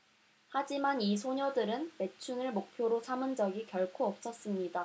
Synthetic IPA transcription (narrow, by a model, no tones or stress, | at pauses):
had͡ʑimanis̬ʰoɲʌdɯɾɯnpe̞t͡ɕʰunɯɭmok̚pʰjoɾosʰamɯnd͡ʑʌɡikjʌɭkʰoʌp̚s͈ʰʌs͈ɯmɲida